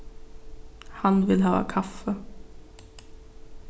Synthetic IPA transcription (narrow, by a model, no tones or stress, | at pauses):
hanvɪlɦɑːa̰kʰafə